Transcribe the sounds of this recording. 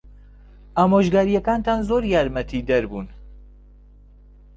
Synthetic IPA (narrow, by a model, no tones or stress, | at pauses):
ʔaːmoːʒɡaːɾijɛkaːnt̪ʰaːnzoːɾjaːɾmɛt̪ʰid̪ɐɾbuːn